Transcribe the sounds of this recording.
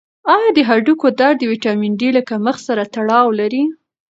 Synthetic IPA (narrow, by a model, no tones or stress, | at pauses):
ɑjɑd̪əɦaɖukod̪ɑɾd̪əwiʈɑmiɳɖilakaməxsaɾat̪aɽɑwlaɾi